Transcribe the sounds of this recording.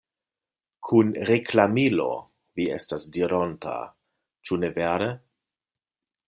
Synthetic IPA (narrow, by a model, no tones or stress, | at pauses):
kʰunɾeklamilo̞̰ | viḛstasdiɾonta̰ | t͡ʃuneveɾe